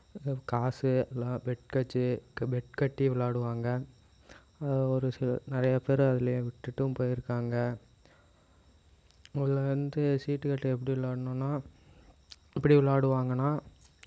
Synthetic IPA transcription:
kaːsɯɛlːãːbɛʈkɐt͡ʃːɯbɛʈkɐʈːiʋɪɭaːɽɯʋaːŋɡɐ | ɐðɔɾɯsɪl̰nɪɾɐjɐpeːɾɐðɪlɐjʊ̃ʋɪʈːɯʈːɯ̃mpoːjɪɾɯkːaːŋɡɐ | ɐðɯlɐʋɐnd̪ɯsiːʈːɯkɐʈːɐɛp̬ːɐɽiʋɪɭaːɽɯnʊ̃ːnːaː | ɪpːɐɽiʋɪɭaːɽɯʋaːŋɡɐnːaː

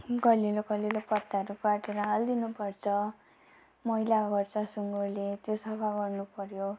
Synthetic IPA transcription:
ɡʌliloɡʌlilopʌt̪ːaʌɾukaʈeɾʌɦald̪inupʌrt͡sʰʌ | mʌilaɡʌrt͡sʰʌsuŋɡorlet̪josʌpʰaɡʌrnupʌɾjo

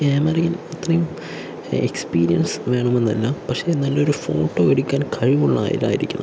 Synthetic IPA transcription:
eːmɐriŋɡilɐt̪rɐjum | ekspiːɾijɐnsʋe̞ːɳɐme̞nːɐlːɐmpɐkʂe̞nːɐldeo̞ɾufo̰ːʈːo̞ːeɽukʲːaːnkʰɐɻiʋuɭːa̰ːjḭla̰ːjḭɾikʲːunɐ

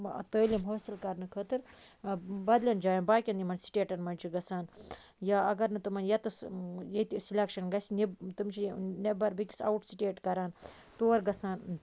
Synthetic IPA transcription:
ɐ̰t̪əːlimɦoːsilkɐɾnɨkʰəːt̪ɨɾ | bɐd̪lʲɐnd͡ʒaːjɐnbaːkʲɐnimɐnsi̥ʈʲeːʈɐnmɐnʲt͡ʃʰiɡɐsaːn | jaːɐɡɐɾnɨt̪umɐnjɐt̪ɨsjet̪isilʲɐkʃɐnɡɐsinibt̪umt͡ʃʰinebɐɾbikʲi̥sa̰wuʈsiʈeːʈkɐɾaːn | t̪uːɐɾɡɐsaːn

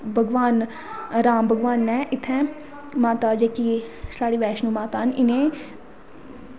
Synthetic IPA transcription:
bʱəɡʋaːn | ɾaːmbʱəɡʋaːnːɛ̃ːʔɪt̪ʰːɛ̃ | maːt̪ad͡ʒeːkiːslaːɽiːʋɛːʃnũːmaːt̪aɦənɪnẽː

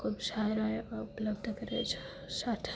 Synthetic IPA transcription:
kʰubsaɾajəpləbd̪ʱəkəɾḛt͡ʃʰe̥ | sat̪ʰ

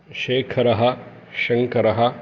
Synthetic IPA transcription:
ʃeːkʰɐɾɐɦɐ | ʃɐŋkɐɾɐɦɐ

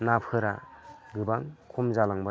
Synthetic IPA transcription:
napʰhɯɾaɡɯbaŋkʰumzalaŋba

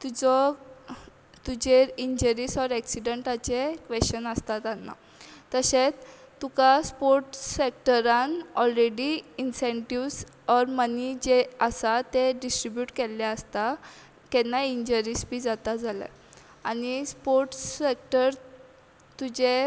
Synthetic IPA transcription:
t̪ud͡zɔ | t̪ud͡ʑeiɲd͡ʑəɾiːsɔɾɛksiɖəɳʈat͡ɕekʋeɕənəst̪at̪anːa̰ | t̪əset͡st̪ːukaspoɾʈsek̚ʈəɾãnɔlɾeɽiːnsẽɳʈiʋs | ɔɾmənid͡ʑeəsat̪eɖisʈɾibjuːʈkelːeəst̪a | k̪ɛnːaiɲd͡ʑəɾiːsbiːd͡zat̪ad͡zalə̰ | anispoɾʈek̚ʈəɾ | t̪ud͡ʑe

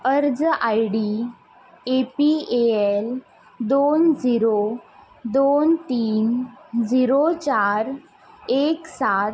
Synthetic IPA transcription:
əɾd͡zʔajɽi | epieel | d̪ond͡ziɾo | d̪ont̪iːnd͡ziɾot͡ɕaɾ | eksat̪

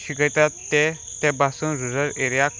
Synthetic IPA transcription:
ɕiɡət̪at̪ːɛ | t̪ɛbasũnɾuzəɾeɾjak

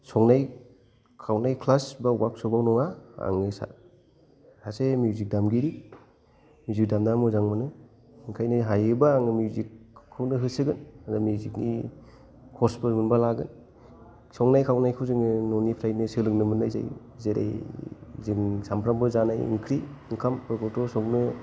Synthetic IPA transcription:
sɔŋnaj | kʰawnajkʰlasbawak̚sɔbawnɔŋaa̰ŋɯsa̰ | hasemjuzik̚damɡiɾi | mjuzik̚damdamɔzaŋmɯnɯ | ŋkʰajnɯɦajɯbaːŋɯmjuzikʰːɯwnɯɦɯsɯɡɯnadamjuziknḭ | kʰɔsbɯmɯnbalaɡɯ̰n | sɔŋnajkʰawnajkʰɯwzɯŋnɔnipʰɾajnɯsɯlɯŋnɯmɯnajza̰j | zeɾa̰j | zɯŋsampʰɾambɯzanajḭŋkʰɾiiŋkʰampɔkɔɾtɔsɔŋnɯ

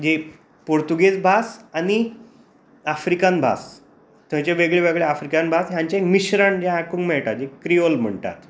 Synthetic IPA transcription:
d͡ʑe | poɾt̪uɡet͡sbʱasani | afɾikanbʱa̰s | t̪ʰjãt͡ɕeʋeɡɭeʋeɡɭeafɾikanbʱasɦjãɲt͡ɕaekmiɕɾaɳd͡ʑjãakũːŋkmɛɭʈ̪at̪̚d͡ʑekɾiolm̤əɳt̪a̰t̪

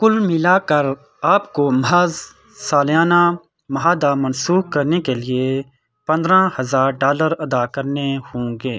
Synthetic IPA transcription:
kʊlmɪlakɐɾ | aːpkomɦaːz | saːljaːna | mɐɦaːd̪amɐnsuːkɐɾnekelɪe | pɐ̃nd̪ɾãhɐzaːɾɖaːləɾɐd̪akɐɾnehõːŋɡeː

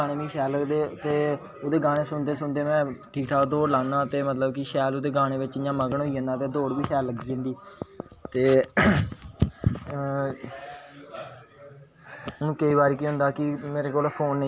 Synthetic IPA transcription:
aːɽ̃eːʋiːʃɛːlːəɡd̪eːt̪eː | od̪eːɡaːɽ̃eːsʊnd̪eːsʊnd̪eːmɛ̃ːʈʰiːkʈʰaːkd̪oːɽlãːnãːt̪eːmət̪ləbkɪʃɛːlod̪eːɡaːɽ̃eːʋɪt͡ʃɪjãːməɡəɳ̃ɦoːiːə̃ːnd̪ãːt̪eːd̪oːɽʋiːʃɛːlːəɡiːẽnd̪iːt̪eː | nũːkəiːbaːɾiːkiɦʊ̃nd̪aːkɪmeːɾeːkoːlpʰoːnː

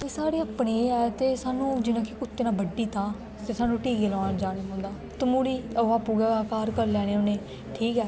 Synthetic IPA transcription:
eːsaːɾeːaːpneːɛːt̪eːsaːnũːd͡ʒɪnãːkekʊt̪ːeːnãːbəɖiːt̪ãː | t̪eːsaːnũːʈiːkeːlɔːnd͡ʒaːneːɦõːnd̪aː | t̪ʊmuːɾiːəʋaːpuːɡaaːkaːɾkəɾlɛːɽ̃eːʊneː | ʈʰiːkɛː

